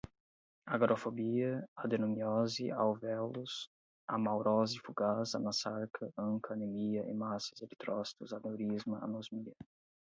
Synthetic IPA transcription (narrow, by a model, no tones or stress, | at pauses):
aɡɾʔofobiɐad̪enumiɔzia̰wvɛlus | a̰mawɾɔzifuɡazɐnasaɾkɐɐ̃ŋkɐnemiɐʔɪ̰masɐzelit̪ɾɔst̪uzanewɾizmɐa̰nozmiɐ